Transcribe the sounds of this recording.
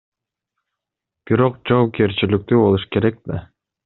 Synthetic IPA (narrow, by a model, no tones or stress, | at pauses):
b̥iɾo̞qd͡ʒoːp̚kʲeɾt͡ɕilyk̚t̪ybo̞lˠuʃke̞ɾek̚d̪e